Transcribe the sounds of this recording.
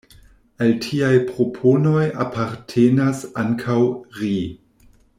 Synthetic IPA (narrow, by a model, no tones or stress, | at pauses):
altʰiajpɾopʰo̞no̞japʰaɾtʰenasaŋkʰawɾi